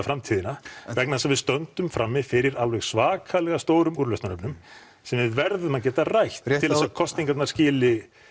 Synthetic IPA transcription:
afɾamt̪ʰiðɪnavɛknaðasavɪðst̪œnt̪ʏmfɾamːɪðfɪɾɪɾalvɛɣsvaːkʰalɛɣast̪oːwɾʏmuɾlœst̪anœpnʏm | sɛmvɪðvɛɾðʏmaðcɛːt̪arajht̪ʰːɪlsakʰɔst̪iŋkat̪naɾscɪːlɪ

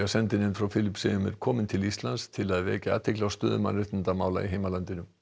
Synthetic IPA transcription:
asɛnt̪ɪnɪnfɾawfɪlɪpsɪʏmɛ̰ɾ̥kʰɔːmɪnt̪ʰɪlist̪lanst̪ʰɪlaðvɛ̰ːcɪa̰ːt̪ʰɪklawst̪ʏːðʏma̰nɾɪt̪ɪnt̪amaːwla̰iɦeːjmalant̪ɪnʏm

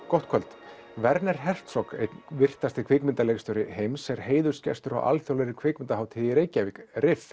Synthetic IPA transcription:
kɔht̪̚kʰœlt̪ | vɛɾnɛɾ̥ɦɛr̥t̪sɔkḛjt̪nvɪr̥t̪ast̪ɪkʰvɪkmɪnt̪aleɣst̪ɔwɾɪhejmsɛɾɦeːjðʏ̥scɛ̰st̪ʏɾa̰wʔa̰lθjowlɛɾɪkʰvɪːkmɪnt̪aɦaːwt̪ʰɪðiɾeːjcavɪkrɪf

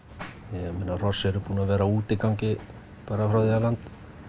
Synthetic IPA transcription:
jɛmɪːnarɔ̥sɛɾʏpuːnavɛːɾauːt̪ɪkawcɪ | paːɾafɾawðialant̪

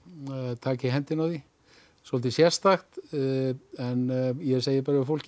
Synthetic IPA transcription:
t̪ʰaːcɪɦɛnt̪ɪnawθi | sɔlt̪ɪsjɛ̥st̪axt̪ | ɛnjɛseːjɪpɛɾʏfowl̥c

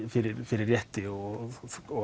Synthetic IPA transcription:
fɪɾɪɾfɪɾɪɾjɛht̪ɪɔ | ɔ

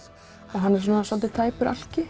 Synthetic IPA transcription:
aðɦanːɛɾsɔnasɔlt̪ɪt̪ʰaːjpʏɾʔa̰l̥cɪ

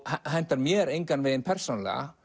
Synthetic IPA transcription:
hɛɦɛn̥t̪aɾmjɛːɾejŋkanvɪðɪnpʰɛr̥sonlɛ̰ɣa̰

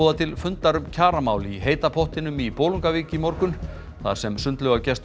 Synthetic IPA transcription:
ɔːðat̪ʰɪlfʏnt̪laɾʏmcʰaːɾamaːwliɦeːjt̪apʰɔht̪ɪnʏmipoːwluŋkaviːcɪmɔɾkʏn | θa̰̥sɛmsʏnt̪lœɣacɛst̪

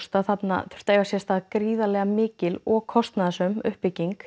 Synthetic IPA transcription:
st̪aðθat̪na̰θʏ̥ɾ̥t̪eːjvasjɛst̪aðkɾiːðalɛɣamɪːcɪlɔɣkʰɔst̪naðasʏmʏ̰hpːɪciŋk

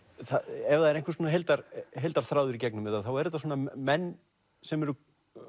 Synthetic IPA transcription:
θaɛvðaðɛɾejŋkvʏ̥soːnaɦejlt̪aɾɦejlt̪aɾ̥θɾaːwðʏɾicɛknʏmɪt̪ːaθawɛɾɛt̪ːasoːnamɛnː | sɛmɛɾʏ

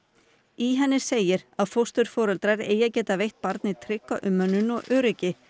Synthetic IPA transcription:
iɦɛnːɪ̥seːjɪɾ̥aðfowst̪ʏɾ̥fɔːɾœlt̪ɾaɾḛːjacɛːt̪avejht̪̚paɾt̪nɪt̪ʰɾɪkːaʔʏmːœnːʏnɔɣʔœːɾɪcɪ

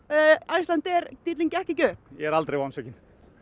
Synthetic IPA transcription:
ajst̪lant̪ɛɾt̪it̪liŋcɛhcɪcœ̥ːjɛɛɾalt̪ɾejvansœcɪn

